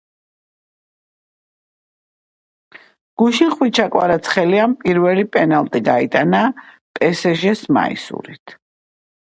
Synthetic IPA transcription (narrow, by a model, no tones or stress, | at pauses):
ɡ̥uʃiχwit͡ʃʰakʼwa̰ɾat̪sʰχɛliampʼiɾvɛlipʼɛnalˠt̪ʼiɡait̪ʼana | pʼɛsɛʒɛsma̰ḭsṵɾit̪ʰ